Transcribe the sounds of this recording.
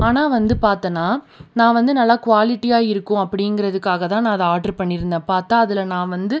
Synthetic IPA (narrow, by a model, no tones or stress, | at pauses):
aːnaːʋɐnd̪ɯpaːɾt̪ɐnːaː | nãːʋɐnd̪ɯnɐlːaːkʊʋaːlɪʈːijaːɪɾɯkːʊ̃ɐpːɐɽɪŋɡɪɾɐðɯkːaːɣɐt̪ãːnãːɐðɛaːʈɐɾpɐɳːɪɾɯnd̪ãːpaːɾt̪ãːɐðɪlɐnãːʋɐnd̪ɯ